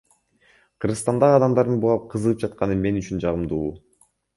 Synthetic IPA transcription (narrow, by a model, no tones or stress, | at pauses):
qʰɯɾʁɯst̪ɑnd̪ɑʁɑd̪ɑmd̪ɑɾd̪ɯnbulˠɑp̚qʰɯzɯʁɯp̚d͡ʒɑt̪qɑnɯme̞nyt͡ʃynd͡ʒɑʁɯmd̪uː